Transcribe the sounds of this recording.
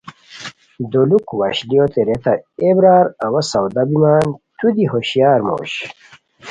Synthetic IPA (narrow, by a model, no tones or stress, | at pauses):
d̪olukwɐɕlijot̪eɾet̪ɐebɾaːɾɐwɐsɐwd̪ɐbimaːnt̪ud̪iɦoɕjaːɾmo̰ːɕ